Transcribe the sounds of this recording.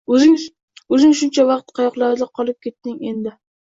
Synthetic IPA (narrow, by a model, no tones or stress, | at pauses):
ɪ | ɵzɪŋʃʊnt͡ʃʰavɑqt̪qʰɑjɒqlˠaɾd̪ɪqʰɒlˠɪp̚kʲʰe̞t̪ːɪŋe̞nd̪ɪ